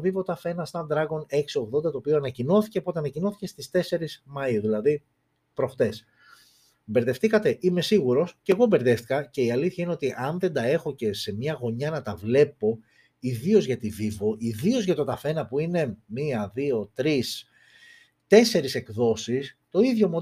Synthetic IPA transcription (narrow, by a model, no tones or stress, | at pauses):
vivo̞t̪ɐfe̞nɐst̪ɐnd̪ɾɐɣo̞ne̞ksio̞ɣðond̪ɐt̪o̞ːpioɐnɐcino̞θi̥ce̞po̞t̪e̞ɐnɐcino̞θi̥ce̞st̪ist̪e̞se̞ɾismɐjioðilɐði | pɾo̞xt̪e̞s | be̞ɾðe̞ft̪ikɐt̪e̞ʔime̞siɣuɾo̞sceɣo̞be̞ɾðe̞ft̪i̥kɐce̞iɐliθçɐine̞ot̪iʔɐnðe̞nd̪ɐe̞xo̞ce̞se̞mɲɐɣo̞ɲɐnɐt̪ɐvle̞po̞ | iðio̞zʝɐt̪ivivo̞ʔiðio̞zʝɐt̪o̞t̪ɐfe̞nɐpuine̞miɐðio̞t̪ɾis | t̪e̞se̞ɾise̞kðo̞sist̪o̞iðʝomo